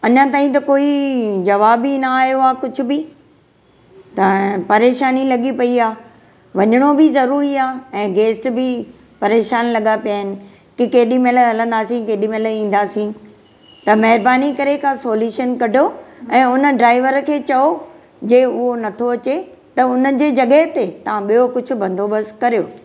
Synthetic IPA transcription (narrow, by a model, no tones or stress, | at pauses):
ɐɲãt̪aːɦĩt̪ɐkoːid͡ʑɐʋaːbinɐaːɦijoaːkʊd͡ʑʱʊ̆bɪ | t̪ɐpɐɾeːʃaːnilɐɠipɐiaː | ʋɐɲəɽ̃obɪzɐɾuːɾiaːɛ̃ːɡeːsʈbɪ | pɐɾeːʃaːnlɐɠapijaːɦɪnɪ̆ | kɪkeːɗĩmeləɦɐlə̃nd̪aːsĩkeːɗĩmeːləĩːn̆d̪aːsĩ | t̪ɐmɐɦɪɾbaːnikɐɾekʰãsoːljuːʃənkɐɖʱjoɛ̃ːʊnə̆ɖɾaːɪʋəɾkʰeːt͡ɕɐo | d͡ʑeːʊɦonɐt̪ʰoɐt͡ɕe | t̪ɐʊnəd͡ʑeːd͡ʑɐɠəɦɪt̪et̪ɐʋ̤ãɓijokʊd͡ʑʱʊ̆bɐ̃nd̪ʱobɐskɐɾijoː